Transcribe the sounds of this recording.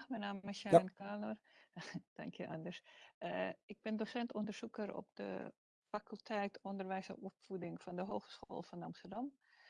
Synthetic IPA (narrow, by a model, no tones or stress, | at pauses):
mɛnaːmɪsjaənkaːnor | d̥a̰ŋkʰjəʔandəsəɪk̚bɪndosɛntondərsukəɾɔ̰p̚d̥ə̰ | fakylˠtʰɛjtɔndərʋɛjsəopfudɪŋfɔndəɦoːxə̥sxo̰ːlˠfɔnɑmstərdɑm